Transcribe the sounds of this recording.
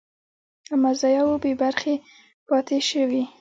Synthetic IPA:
amazɑjawobebaɾxe | pɑt̪eʃəwi

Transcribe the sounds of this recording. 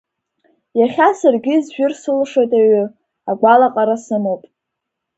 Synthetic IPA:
jaχʲasarɡʲizʒᶣʊrsɨlʂotʼaɥʏ | aɡʷalaqʼaɾasɨmowpʼ

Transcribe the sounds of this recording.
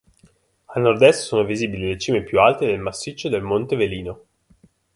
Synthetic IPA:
alnord̪ɛst̪soːnoviziːbililet͡ʃiːmepjualt̪ed̪elmasːit͡ʃːod̪elmont̪eveliːno

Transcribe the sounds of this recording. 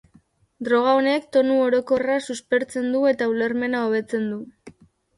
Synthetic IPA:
d̪ɾo̞ɣ̞aone̞kt̪o̞nuoɾo̞ko̞rasuspe̞ɾt͡se̞nd̪ue̞t̪aule̞ɾme̞naoβ̞e̞t͡se̞nd̪u

